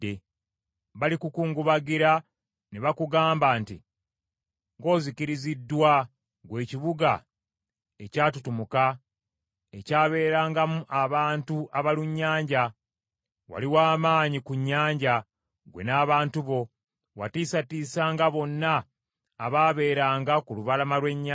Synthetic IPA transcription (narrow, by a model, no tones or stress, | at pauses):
e | βalikukuːŋɡuβaɡiɾa | neβakuɡaːmbantḭ | ŋɡo̞ːzikiɾizidːwa | ɡwe̞ːciβuɡa | e̞caːtutumuka | ecaːβe̞ːɾaːŋɡamuʔaβaːntuʔaβaluɲːaːɲɟa | wa̰liwaːmaːɲikuɲːaːɲɟa | ɡwe̞̰naːβaːntuβo̞ | wa̰tiːsatiːsaːŋɡaβo̞nːaː | βaːβe̞ːɾaːŋɡakuluβalamalwe̞ɲːa